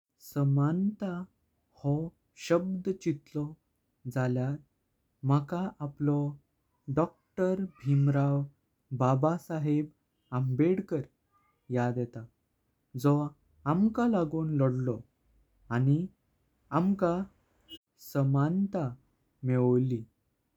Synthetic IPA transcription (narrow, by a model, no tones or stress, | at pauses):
səmant̪a | hɔ | ɕəbd̪t͡ɕit̪lɔ | d͡zaljat̪ | makaʔaplɔ | ɖɔk̚ʈəɾbʱimɾaw | babasaɦeb | ambeɽkəɾ | jad̪jɛt̪a | d͡zɔ | amkalaɡuːnlɔɽlɔ | añi | amka | səmant̪a | mɛʋəli